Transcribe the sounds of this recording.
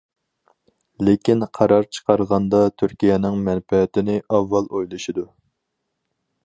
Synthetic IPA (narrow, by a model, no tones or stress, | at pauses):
lɪkʲinqʰɑɾɑɾt͡ʃʰə̥qɑɾʁɑnd̪ɑt̪ʰyɾkʲijɛnɪŋmɛnfɛt̪ɪnɪʔɑvːɑlˠojlˠɨʃid̪u